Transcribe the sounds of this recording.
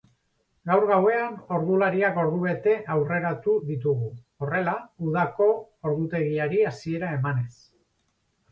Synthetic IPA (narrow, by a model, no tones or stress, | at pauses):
ɡawɾɣawe̞ano̞ɾðulaɾiako̞ɾðuβe̞t̪e̞ʔawre̞ɾat̪uðit̪̬uɣ̞u | o̞re̞lauð̞ako̞ | oɾðut̪e̞ɣiaɾiasie̞ɾae̞mane̞s